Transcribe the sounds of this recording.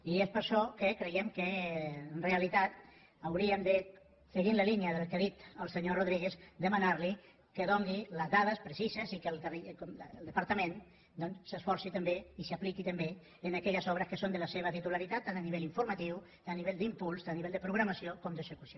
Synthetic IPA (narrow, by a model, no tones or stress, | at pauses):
iespəɾʃɔkəkɾejɛmkənreəlit̪at̪ | əwɾiəmd̪ə | səɣinləliniəðəlˠkaðit̪əlˠseɲoroð̞ɾiɣezd̪əmanaɾli | kəðoŋɡiləzðaðəspɾəsizəzikəlˠk̪ərikɔmlˠd̪əpaɾt̪əmẽn | d̪ɔnsːəsfɔɾsit̪əmbeisaplikit̪əmbe | ənakɛʎəzɔβɾəskəsond̪ələseβ̞ət̪it̪ulaɾit̪at̪ːanəniβeʎiɱfuɾmat̪iw | t̪aniβeʎd̪impulˠst̪anniβɛʎld̪əpɾuɣɾamasiokɔmd̪əzəkusio